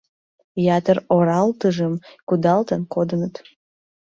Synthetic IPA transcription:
jɑt̪əroɾɑlt̪əʒəmkud̪ɑlt̪ənkod̪ənət̪

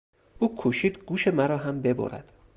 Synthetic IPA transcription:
ʔuːkʰuʃiːd̪ɡuːʃe̞mæɾɒːɦæmbe̞bo̰ɾæ̰d̪̥

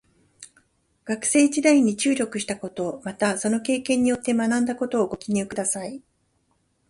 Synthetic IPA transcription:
ɡ̥akɯ̟̥se̞ːd͡ʑid̪aiɲ̟ːit͡ɕɨːɾʲo̞kɯ̟ɕi̥t̪ako̞t̪o̞mat̪aso̞no̞ke̞ːkẽ̞ɲ̟ːijo̞t̪ːe̞manãnd̪ako̞t̪o̞ːɡo̞kʲiɲ̟iɯkɯ̟d̪asai

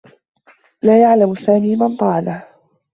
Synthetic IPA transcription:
laːjaʕlamsaːmiːmant̪ˤɑːʕalah

